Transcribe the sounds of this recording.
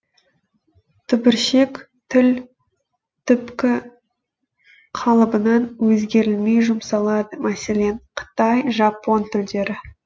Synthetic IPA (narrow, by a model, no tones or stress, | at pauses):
t̪ʰʏbɪɾʃe̞k | t̪ʰʏl | t̪ʰʏpkʲɪ | qʰɑlˠəbənɑnwɵzɡʲe̞ɾɪlme̞jʒʊmsɑlˠɑd̪əmæse̞le̞nqʰə̥t̪ɑjʒɑpːo̞nt̪ʰʏld̪e̞ɾɪ